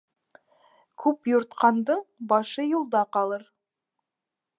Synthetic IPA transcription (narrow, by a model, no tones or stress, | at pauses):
kʲʰɵpjʊɾt̪qɑnd̪əɴbɑʃəjulˠd̪ɑqɑlˠəɾ